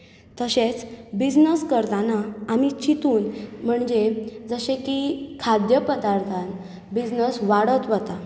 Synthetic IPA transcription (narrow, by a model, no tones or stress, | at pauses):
t̪əɕet͡sbid͡znəskəɾt̪anaamit͡ɕit̪uːnm̤əɳd͡zed͡zəɕekikʰad̪jəpəd̪aɾt̪ʰan | bid͡znəsʋaɽət̪ʋət̪a